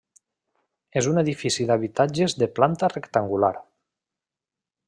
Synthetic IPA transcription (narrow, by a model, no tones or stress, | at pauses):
ezuneðifisiðaβ̞it̪ad͡ʒezðeplant̪arekt̪aŋɡula̰ɾ